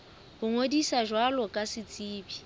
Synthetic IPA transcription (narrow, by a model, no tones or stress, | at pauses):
hʊŋodisaʒwalɔkʼasɪt͡sʼiːbi